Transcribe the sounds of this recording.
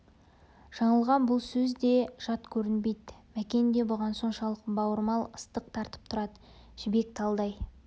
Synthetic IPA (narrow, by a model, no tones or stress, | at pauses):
ʒ̥ɑɴəlˠʁɑnbʊlˠsɵzd̪e̞ʒ̥ɑt̪kʲʰɵɾɪnbe̞jd̪mækʲe̞nd̪e̞bʊʁɑnso̞ɴʃɑlˠəqbɑwəɾmɑlˠəst̪əq̚t̪ʰɑɾt̪ə̥p̚t̪ʰʊɾɑd̪ə | ʒ̥ɪbe̞k̚t̪ʰɑlˠd̪ɑj